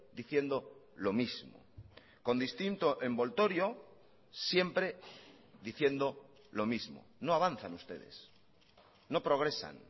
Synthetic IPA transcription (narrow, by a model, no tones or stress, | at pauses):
d̪iθje̞nd̪o̞ | lo̞mizmo̰ | ko̞nd̪ist̪int̪oʔe̞mbo̞lt̪o̞ɾjo̞ | sje̞mpɾe | ðiθje̞nd̪o̞ | lo̞mizmo̰noaβ̞an̟θanust̪e̞ðe̞̰s | no̞pɾo̞ɣ̞ɾe̞sa̰n